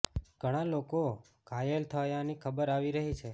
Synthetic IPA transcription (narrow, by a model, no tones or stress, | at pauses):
ɡ̥ʱəɽ̃aloko | kajelt̪ʰəjãnikʰəbəɾaʋiɾəɦit͡ʃʰe